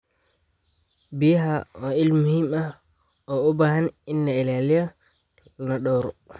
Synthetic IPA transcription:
bihaɔilmuhima | ʔɔɔbahaninːaɛlalia | nɔɗɔwɾɔ

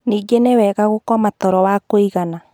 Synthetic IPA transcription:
niːɡenewɛːɣaɣokɔmatɔɾɔwakoiɣana

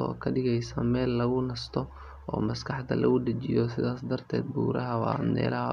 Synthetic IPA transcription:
ɔ̰ːkʰɐɖɪɣɛjsɐmɛːlːɐɣʊnɐst̪ʰɔ | ɔːmɐskʰɑħd̪ɐ̰lʔɐɣʊd̪ɐt͡ʃɪjɔsɪðaːsd̪ɐrt̪ʰɛːd̪̚buːɾɐɦɐwɑnɛ̰ːlɐɦɐ

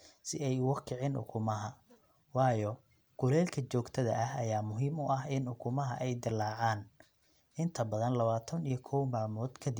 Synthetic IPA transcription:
sɪɛjwɑkʰɪʕɪnʔʊ̰kʰʊmɐɦɐ | wɑːjɔ | ɡ̥ʊlɛːlkʰɐt͡ʃɔːɡt̪ʰɐðɐ̰ʔɐɦɐjaːmʊɦiːmʊʔɐɦɪnʊkʰʊmɐɦɐʔɛjd̪ɪlːaːʕaːn | ʔɪnt̪ʰɐbɐðɐnlɐβaːt̪ʰɐnijɔkʰɔwmaːlmɔːd̪kʰɐd̪ɪ

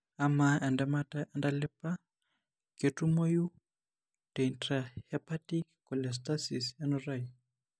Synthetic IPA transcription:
amaɛndɛmataɛndalɛpa | ketumoju | tɛntahɛpatikkɔlɛs̬t̪asisɛnɔraj

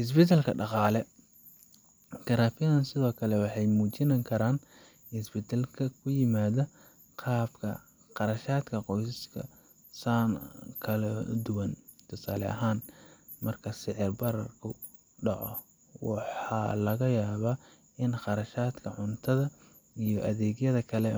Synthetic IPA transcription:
hɪs̬bɛt̪ʰɛlkʰɐ̰ɖɑqɑːlɛ | kʰɐɾaːfjɐðɐnsɪðɔːkʰɐlɛwɑħɑjmuːt͡ʃɪnɐŋkʰɐɾaːn | hɪsbɪt̪ʰɐlkʰɐkʰʊjɪmaːðɐ | qʰɑːbkʰɐ̰ | qɑɾɐʃaːd̪kʰɐqɔjsɪskʰɐ̰ | sankʰɐlɐd̪ʊwɐnt̪ʰʊsaːlɛ̰ʔɐ̰ɦaːn | mɐrkʰɐsɪʕɪrbɐɾɐrkʰʊ | ɖɑʕɔ̰ | wɑħɑ̰ːlɐɣɐjaːβa | ʔɪnqɑɾɐʃaːd̪kʰɐʕʊnt̪ʰɐðɐ | ijɔʔɐðɛːɡjɐðɐkʰɐlɛ

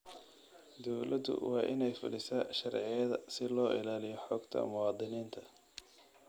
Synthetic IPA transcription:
d̪ɔwlɐd̪ʊ̰wɑːʔɪnɛjfʊ̰lɪsɐʃɐrʕɪjɐðɐsɪlɔːʔɪlaːlɪjɔħɔːɡt̪ʰɐ̰mʊwɑːd̪ɪniːnt̪ʰɐ̥

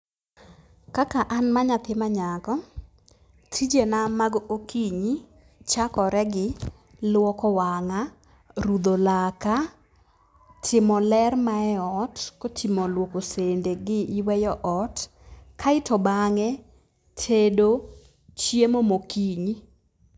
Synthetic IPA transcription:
kakaʔanmaɲat̪ɪmaɲakɔ | tʰid͡ʒenamaɡokʰiɲi | t͡ʃakɔɾɛɡɪ | lwɔkɔwaŋa | ɾud̪olaka | tʰɪmɔlɛrmaɛɔtkotʰimɔlwokosendeɡɪʔɪwɛjɔʔɔt | kʰaɪtɔbaŋɛ | tʰedo | t͡ʃjemomokiɲi

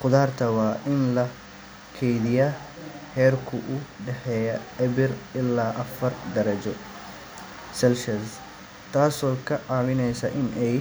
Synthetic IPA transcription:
qʊðaːrt̪ʰɐwɑːʔɪnlɐ | kʰɛjðɪja | hɛːrkʰʊʔʊɖɛħɛːjɐɛβɪrɪlːaːʔɐfɐrd̪ɐɾɐt͡ʃɔ | sɛlʃɐs | t̪ʰaːsɔːkʰɐʕɑːwɪnɛjsɐʔɪnɛj

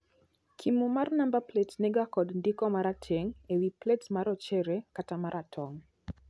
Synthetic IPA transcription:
kʰimumarnambaplɛtnɛɡakɔdndɪkɔmaɾatʰɛŋewiplɛtmaɾɔt͡ʃɛɾɛkatamaɾʔatʰɔŋ

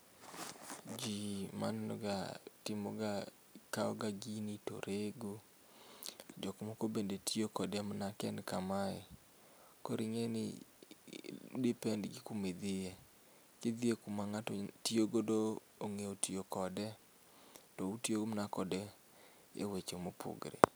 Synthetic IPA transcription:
d͡ʒima̰nɛnɔ̰ɡa̰tɪmɔɡa | kaɔɡaɡinito̰ɾeɡo | d͡ʒɔkmɔkobendetʰiokɔdɛmnakɛnkamaɪ | koɾɪŋenɪ̰ | dipɛndɡikumed̪ɪe | ked̪iekumaŋatɔtioɡodo | oŋeotʰijokɔdɛ | tɔutjoɡmnakɔdɛ | ḛwet͡ʃomopʰṵɡɾḛ

